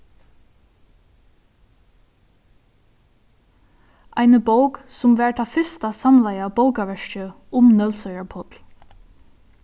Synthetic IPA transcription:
ʔæɪnəboʊksʊmʋæːɹt̪ʰɑfʏst̪ɑsɑmlæɪɑboʊkaʋœʃəʔʊmnœlsœʏəɹpʰɔt̪l

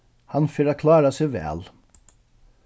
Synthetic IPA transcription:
hɑnføːɾɑkʰlɑːɾɑseʋæ̰ːl

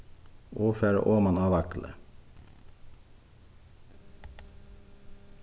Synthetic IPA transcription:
ʔoːfeːɹə̰ʔoːmɑnɑːʋɑklʔə̰

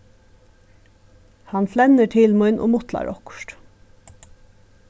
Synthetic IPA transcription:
hɑnflɛnəʈʰɪlmʊʏnʔo̰ːmʊt̪lɑ̰ɾʔɔkʊ̥ʃʈ

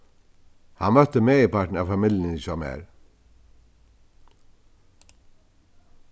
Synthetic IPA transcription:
hanmœt̪ːəmeːɪpaʈɳ̩aʋfamɪljənɪsɔmɛ̰ːɾ

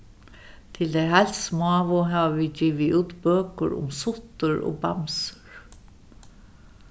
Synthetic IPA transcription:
t̪ʰɪld̪æɦalsmɑːʋʊɦɑːʋəʋid͡ʒiːʋɪʉːt̪bøːkə̰ɹʊ̰msʊt̪əɹo̰ːbɑmsə̥ɹ

